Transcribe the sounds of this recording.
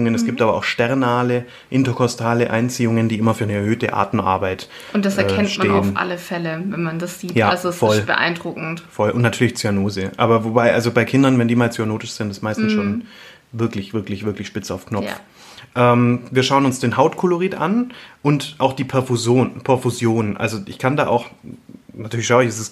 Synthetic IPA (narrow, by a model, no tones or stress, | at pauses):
ʊŋənɛsɡ̥iːp̚tʔaːbɐʔaʊxʃtɛʁnaːlə | ʔɪntɐkʰɔstʰaːləʔa̰ɪnt͡siːʊŋəndiːʔɪmɐfyːɐnəɛɐhøːtə̰ʔa̰ːtn̩ʔa̰ɐbaɪt | ʊnt̚d̥asɛɐɛːkʰɛntmaeːʊənfʔa̰ləfɛləvɛnmandasz̥iːtjaːalzosfɔlb̥ə̰ʔa̰ɪndʁʊkŋ̩tfɔlʔʊ̰ntnatʰyːɐlɪçt͡syanoːzəʔaːbɐvobaɪʔalzobaɪkʰɪndɐnvɛndiːmaːlt͡syanoːtɪʃz̥ɪntɪstmaɪstn̩sʃoːn | vɪɐklɪçv̥ɪɐklɪçv̥ɪɐklɪçʃpɪt͡sa̰ʊfknɔp͡f | ʔɛːmviːɐʃaʊənʊnsd̥eːnɦaʊtkʰʊloʁiːtʔa̰nʔʊntʔaʊxd̥iːpʰɛɐfuzjoːnpʰɛɐfuzjoːnʔa̰lzoʔɪ̰çkʰanda̰ːʔa̰ʊx | natʰyːɐlɪçʃaʊɪçɛsɛs